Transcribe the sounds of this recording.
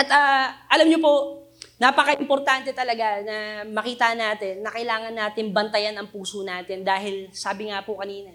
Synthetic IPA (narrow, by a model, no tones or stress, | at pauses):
ʔɐt̪aːʔɐlɐmɲopo̞ | napɐkɐʔɪmpoɾt̪ant̪ɛt̪ɐlɐɡanɐmɐkiːt̪ɐnaːt̪ɪnːɐkɐlaːŋɐnːaːt̪ɪnbɐnt̪ɐjanɐŋpuːsonaːt̪ɪnd̪aːɦɪlsaːbɪŋapokɐniːnɐ